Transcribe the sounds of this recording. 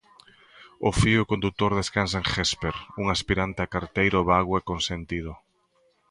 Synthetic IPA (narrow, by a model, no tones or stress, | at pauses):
ofiʊkõnd̪ut̪oɾðeskans̬aeŋxespeɾuŋaspiɾant̪eakaɾt̪ejɾoβaɣwɛkonsent̪ið̞ʊ